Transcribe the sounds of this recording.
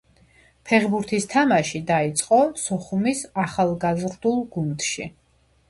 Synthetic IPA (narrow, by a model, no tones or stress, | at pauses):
pʰɛʁbuɾt̪ʰist̪ʰamaʃid̪ait̪sʼqʼɔsɔχumisaχalˠɡazɾd̪ulˠɡund̪ʃḭ